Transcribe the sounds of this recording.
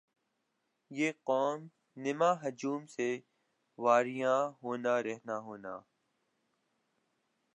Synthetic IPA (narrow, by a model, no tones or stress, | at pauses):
jeːqɔːm | nɪmaːɦɐd͡ʒuːmse | ʋaːɾijãɦoːnaɾɛɦnaɦoːna̰ː